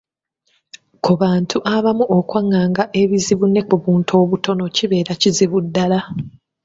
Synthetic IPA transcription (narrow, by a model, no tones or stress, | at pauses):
kuβaːntʰuʔaβamuʔokwaŋːaːŋɡaʔe̞βiziβunːe̞kuβuːntʰo̞ːβutʰo̞no̞ciβe̞ːɾaciziβudːala